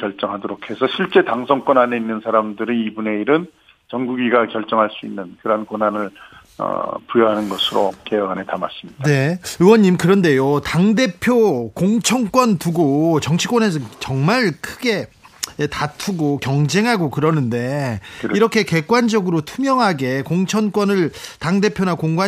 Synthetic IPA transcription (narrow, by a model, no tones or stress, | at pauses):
kjʌɭt͡ɕ͈ʌŋɦadoɾokʰe̞sʰʌɕʰiɭt͡ɕ͈e̞taŋsʰʌŋkwʌnane̞inːɯnsʰaɾamdɯɾiibune̞iɾɯn | t͡ɕʌŋɡuɡiɡakjʌɭt͡ɕ͈ʌŋɦaɭs͈uinːɯnkɯɾʌnkwonɦanɯɭ | ʌ̰pujʌɦanɯnɡʌsʰɯɾo̰keʌɡanetama̰s͈imɲidae̞ɯwʌɲːimkɯɾʌnde̞jotaŋde̞pʰjokoŋt͡ɕʰʌnk͈wʌntuɡot͡ɕʌŋt͡ɕʰi̥k͈wʌnesʰʌt͡ɕʌŋmaɭkʰɯɡe̞ | tatʰuɡokjʌŋd͡ʑe̞ŋɦaɡokɯɾʌnɯnde̞iɾʌkʰe̞ke̞k͈wand͡ʑʌɡɯɾotʰumjʌŋɦaɡe̞koŋt͡ɕʰʌnk͈wʌnɯɭtaŋde̞pʰjonakoŋɡwa